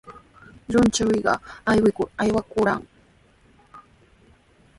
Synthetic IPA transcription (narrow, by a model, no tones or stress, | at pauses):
ʎʊnt͡ʃawɪɢɑ̰ajwɪkʊɾajwakʊɾa̰ŋ